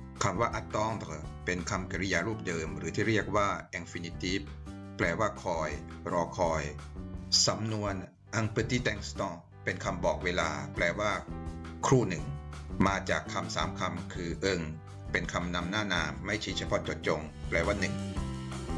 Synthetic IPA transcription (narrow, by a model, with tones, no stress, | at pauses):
kʰa˧mwaː˥˩ʔa˦˥t̪ːɔː˦˥˩ŋd̪pe˧nkʰa˧mka˧˩ɾi˦˧jaː˧ɾuː˥˩p̚dɤː˧mɾɯː˩˦t̪ʰiː˥˩ɾi˥˩ək̚waː˥˩ʔɛ˧nfi˧ni˧t̪iː˦˥˩ | pːlɛː˧waː˥˩kʰɔː˧jɾɔː˧kʰɔː˧j | sa˩˦mnu˧ən | ʔa˧ŋpɯ˨˧˩t̪iː˦˥˩t̪ɛ˧ŋst̪ɔ˥˩ | pe˧nkʰa˧mbɔː˨˩k̚weː˧la̰ː˧plɛː˧waː˥˩kʰɾuː˥˩nɯ˨˩ŋmaː˧t͡ɕa̰ː˨˩kʰːa˧msa̰ː˩˦mkʰa˧mkʰɯː˧ʔɤ˧ŋ | pe˧nkʰa˧mna˧mnaː˥˩naː˧mːa˥˩jt͡ɕʰi˦˥t͡ɕʰa˧pʰɔ˦˥t͡ɕo˨˩t̪̚t͡ɕo˧ŋ | plɛː˧waː˥˩nɯ˨˩ŋ